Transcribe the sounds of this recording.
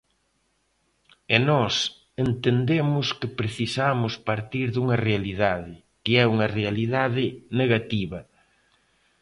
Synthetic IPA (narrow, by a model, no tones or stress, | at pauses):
enɔs | ent̪end̪emʊskɪpɾeθisamʊspaɾt̪iɾðuŋɐrealiðaðɪ | kɪɛuŋɐrealiðaðɪneɣat̪iβɐ